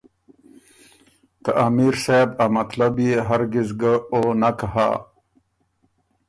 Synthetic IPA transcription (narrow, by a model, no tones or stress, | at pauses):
k̪aʔamiɾsabamat̪labjeɦaɾɡizɡəonakaha̰ː